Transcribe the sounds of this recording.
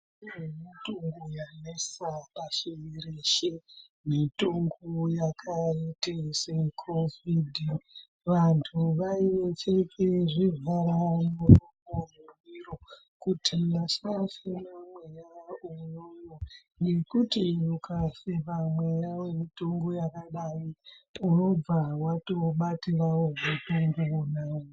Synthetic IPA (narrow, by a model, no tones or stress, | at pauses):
emitoŋɡojanesapaʃiiɾeʃe | mitoŋɡojakʰaitesekʰovidʱ | ʋantʰuʋaiʋet͡ʃekeʐivʱaɾanurumomurwiro | kutʰimasafinamwejaujojo | ŋɡekutijukasepamwejawemitoŋɡo̞jakaɗaiuno̞b͡vawato̞ɓatirawoɡotoŋɡuonaːwo